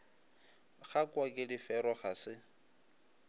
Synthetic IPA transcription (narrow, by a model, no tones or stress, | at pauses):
χakʼwakʼɪlɪfɛɾɔχasɪ